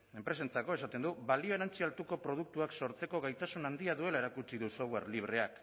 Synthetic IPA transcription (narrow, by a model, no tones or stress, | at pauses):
e̞mpɾe̞sent͡sako̞e̞sat̪e̞nd̪uβalio̞eɾant͡sialt̪uko̞pɾo̞ð̞uk̚t̪uakso̞ɾt͡se̞ko̞ɣ̞ajt̪asunand̪iaðue̞lae̞ɾakut͡siðuso̞βwe̞̰ɾliβ̞ɾe̞ak